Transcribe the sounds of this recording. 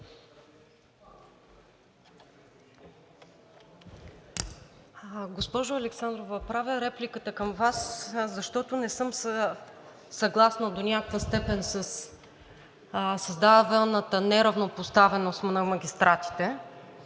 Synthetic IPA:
ɡospɔʒʊɐlɛksand̪ɾovəpɾavʲəɾɛplikət̪əkəmvaszɐʃt̪ɔt̪ʊnɛsɤmsə | sɐɡlˠasnəd̪onʲakəkvəst̪ɛpɛnsəs | sɐzd̪at̪ɛlˠnət̪ənɛɾɐvnopost̪avɛnost̪nɐmɐɡʲist̪ɾʔat̪i̥t̪ɛ

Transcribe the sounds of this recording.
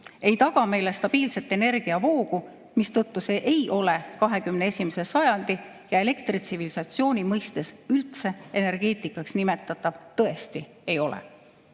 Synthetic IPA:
e̞jt̪ɑɡ̥ɑme̞jle̞st̪ɑb̥iːlse̞lt̪ːˑe̞ne̞rɡ̥iɑvo̞ːɡu | mist̪ɤt̪ːuse̞ːʔejʔo̞le̞kɑɦe̞kymnee̞sʲimese̞sɑjɑnd̪̥i | jɑe̞le̞kt̪rit̪sivilisɑt̪sio̞ːnʲimɤjst̪e̞sylt̪se̞ene̞rɡ̥e̞ːt̪ˑikːˑɑksnime̞t̪ːˑɑt̪ːˑɑv̥t̪ɤe̞st̪i | e̞jo̞lḛ

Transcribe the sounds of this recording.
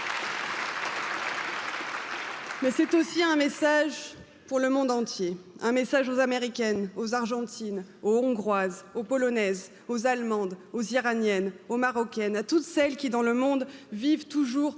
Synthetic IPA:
mɛsɛt̪osiɛ̃mesaʒ | puʁləmɔ̃d̪ɑ̃t̪jeɛ̃mesaʒozameʁikʲɛnozaʁʒɑ̃t̪ʰinoɔ̃ɡʁwazopɔlɔnɛz | ozalmɑ̃d̪oziʁanjɛnomaʁɔkʲɛnat̪ut̪sɛlkʲid̪ɑ̃ləmɔ̃d̪vivt̪uʒuʁ

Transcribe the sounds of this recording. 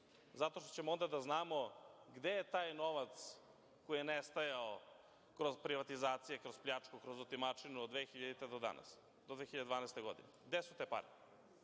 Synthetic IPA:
zat̪oʃt̪o̥t͡ɕemoond̪ad̪aznaːmo̞ɡd̪ejet̪aːjno̞ʋat̪s | kojijenest̪ajao | kɾo̞zpɾiʋat̪izaːt̪sijekɾozpʎʲat͡ʂkukɾozot̪imat͡ʂinuod̪vʋexiʎad̪it̪ed̪od̪a̰na̰s | d̪od̪ʋexiʎad̪d̪vaːnaɛjst̪eɡo̞d̪ḭneɡd̪esu̥t̪epa̰ɾi

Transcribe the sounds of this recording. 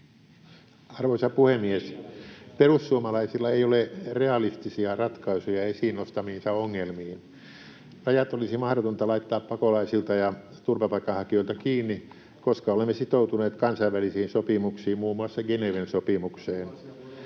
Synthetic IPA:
ɑrʋoisɑpuhemːiesperussuomɑlɑisilːɑeiolereɑlist̪isiɑrɑt̪kɑisujɑesiːnːost̪ɑmiːnsɑoŋːelmiːn | rɑjɑt̪olisimɑhɾot̪ont̪ɑlɑit̪ːɑːppɑkolɑisilt̪ɑjɑ | t̪urpɑpɑikːˑɑnhɑkioilt̪ɑkiːnːi | koskɑolemːesit̪out̪uneːt̪kɑnsɑiʋʋælisiːnsopimuksiːmmuːmːuɑsːɑɡeneʋensopimukseːn

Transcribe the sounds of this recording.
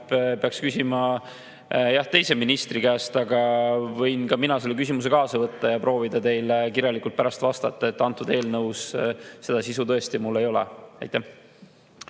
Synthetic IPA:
ppeɑkskysimɑ | jɑht̪e̞jse̞minist̪rikæːst̪ɑɡɑvɤ̞jnkɑminɑse̞lːek̬ysimus̬e̞kɑːsɑvɤt̪ːɑjɑpro̞ːvid̪ɑt̪e̞jlekiɾjɑlikult̪̚pæɾɑst̪vɑst̪ɑt̪ˑːɑe̞t̪ːɑnt̪ːˑud̪̥e̞ːlnɤwsse̞d̪̥ɑsisut̪ɤ̞e̞st̪imulːe̞jo̞lḛɑ̰jt̪ːˑæh

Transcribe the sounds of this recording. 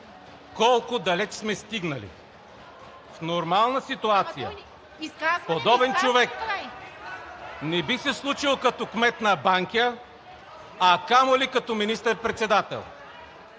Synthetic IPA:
kɔlˠkʊd̪ɐlɛt͡ʃsmɛst̪iɡnɐlḭ | fnoɾmalˠnəsit̪uat̪sijə̰ | pod̪ɔbɛnt͡ʃovɛk | nɛbisɛslˠut͡ʃilˠokɐt̪ɔkmɛt̪nɐbaŋkʲə | ɐkamolikɐt̪ɔminist̪əɾpɾɛt̪sɛd̪at̪ɛ̰lˠ

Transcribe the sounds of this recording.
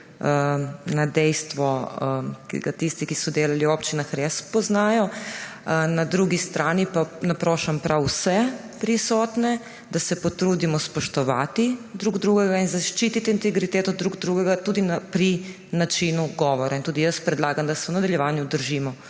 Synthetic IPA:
nad̪ɛjst̪ʋɔ | kḭɡat̪ist̪ikisud̪eːlaliopt͡ʃinaxɾespoznaːjɔ | nad̪ɾuːɡist̪ɾaːnipanapɾoːʃampɾawusɛ | pɾisoːt̪ne | d̪asɛpot̪ɾuːd̪imɔspoʃt̪oʋaːt̪id̪ɾuɡd̪ɾuːɡeɡainzaʃt͡ʃiːt̪it̪iːnɛɡɾit̪eːt̪od̪ɾuɡd̪ɾuːɡeɡat̪uːd̪inapɾi | nat͡ʃinuɡoʋoɾaint̪uːd̪ijəspɾɛd̪lˠaːɡamd̪asɛunad̪aʎɛʋaːɲud̪əɾʒiːmɔ

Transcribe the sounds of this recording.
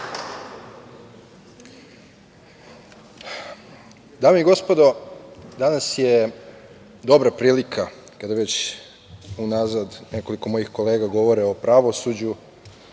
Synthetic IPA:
d̪aːmeiɡo̞spo̞d̪o̞d̪anasje | d̪o̞bɾapɾiːlikʰa | kad̪ajʋe̞t͡ɕ | unazad̪ne̞ko̞liko̞mo̞jixko̞le̞ːɡaɡo̞ʋo̞ɾeo̞pɾaʋo̞sud͡ʑu

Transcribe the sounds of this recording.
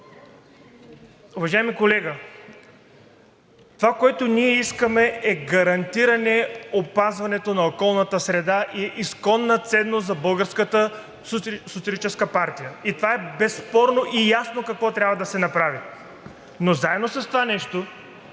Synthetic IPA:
ʊvɐʒaɛmikolɛɡə | t̪ovakoɛt̪oniɛiskəmɛɛɡɐɾɐnt̪iɾɐnɛopazvɐnɛt̪onɐokɔlˠnɐt̪əsɾɛd̪aʔiɛʔiskɔnːɐt̪sɛd̪ːost̪zɐbɤlˠɡəɾskət̪ə | sot̪siɐlit͡ʃɛskəpaɾt̪ijəit̪ovaɛbɛsːpɔɾnoʔijasnokɐkvɔt̪ɾʲabvɐd̪ɐsɛnɐpɾavi | nozaɛd̪nosɐst̪ovanɛʃt̪o

